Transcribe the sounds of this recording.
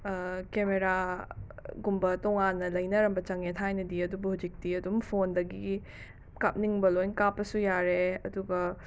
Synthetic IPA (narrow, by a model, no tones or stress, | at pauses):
kemeɾa | ɡumbɐtɔŋanːɐlɐjnɐɾɐmbɐt͡ʃɐŋetʰajnɐdiɐdubɐhud͡ʒik̚diɐdumpʰondɐɡi | kap̚niŋbɐlojnkapːɐsujaɾeɐduɡɐ